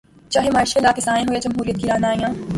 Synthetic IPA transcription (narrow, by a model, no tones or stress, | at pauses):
t͡ʃɐɦemaːʃelaːkɪsaːnẽɦojed͡ʒɐmɦuːɾijət̪kiɾaːnaːijãː